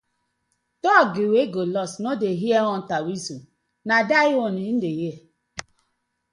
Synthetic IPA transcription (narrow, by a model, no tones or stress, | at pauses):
tɔɡɪweɡolɔsnodeɦiɛɔn̩tawisu | nadaɪonin̩deje